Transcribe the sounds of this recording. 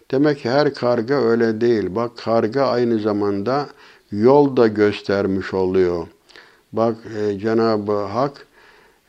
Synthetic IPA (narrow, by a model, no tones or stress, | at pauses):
d̪̥emɛcʰːihæɾkʰaɾɡɯøjlʲɛd̪e̞jilʲbakʰːaɾɡaajnɯzamand̪a | jolˠd̪aɟøst̪ʰæɾmiʃo̞lˠujo | bakd͡ʒenaːbɯɦak